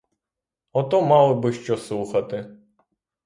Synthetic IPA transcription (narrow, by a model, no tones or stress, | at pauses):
ɔt̪ɔmɑlˠɔbɪʃt͡ʃɔsˠuxɐt̪ɪ